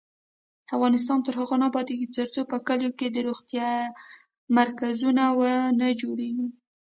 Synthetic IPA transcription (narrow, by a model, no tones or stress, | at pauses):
afɣɑnɪs̬t̪ɑnt̪əɾhaɣonɑbɑd̪eɡit͡səɾt͡sopəkəloked̪əɾoɣt̪jɑ | maɾkazunawənad͡ʒoɽeɡi